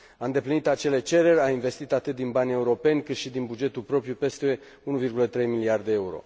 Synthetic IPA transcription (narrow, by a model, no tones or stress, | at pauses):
aɨnd̪e̞plinit̪at͡ʃe̞le̞t͡ʃe̞ɾe̞rʲainve̞st̪it̪at̪ɨt̪̚d̪inbanʲe̞uɾo̞pe̞nʲkɨt̪ʃid̪inbud͡ʒe̞t̪ulpɾo̞pɾjupe̞st̪e̞ | unuvirɡulət̪ɾe̞jmiliard̪eeuɾo̞̰